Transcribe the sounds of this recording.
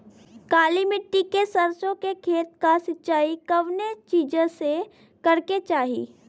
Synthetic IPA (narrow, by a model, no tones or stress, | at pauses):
kaːlimɪʈːikesəɾsõkekʰeːt̪̚kasɪtːʃaːikɐʋnet͡ʃiːd͡ʒõse | kɐɾket͡ʃaːɦḭː